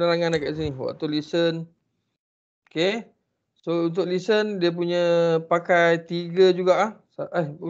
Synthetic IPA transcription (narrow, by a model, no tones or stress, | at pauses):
naɾaŋãnakaʔs̬iniɦwa̰ʔt̪ulisən | oke | sount̪̬ʊk̚lisəndiəp̬uɲə̃pakajt̪iɡəd͡ʒuɡaʔahsaʔəh